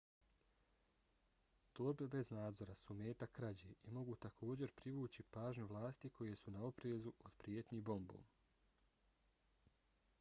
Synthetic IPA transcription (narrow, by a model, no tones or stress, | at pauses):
t̪uɾbe̞be̞znaːd̪zo̞ɾasumeːt̪akɾad͡ʑeːʔimo̞ɡut̪akʰo̞ːd͡ʑe̞ɾpɾiʋuːt͡ɕipaːʒɲuʋlˠaːst̪iko̞je̞sunao̞pɾeːzuod̪pɾijet̪ɲibo̞mbo̰ːm